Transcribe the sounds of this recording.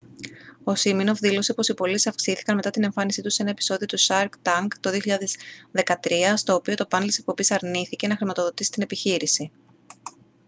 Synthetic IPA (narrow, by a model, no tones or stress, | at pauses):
o̞simino̞fðilo̞sipo̞sipo̞lisɐfksiθi̥kɐnme̞t̪ɐt̪ine̞ɱfɐnisit̪use̞nɐe̞pi̥so̞ðiot̪usɐɾkt̪ɐŋkt̪oðio̞çiʎɐðe̞zðe̞kɐt̪ɾiɐst̪o̞ːpio̞t̪o̞pɐnelt̪isek̚po̞bisɐɾniθice̞nɐxɾimɐt̪o̞ðo̞t̪isi̥t̪ine̞piçiɾisi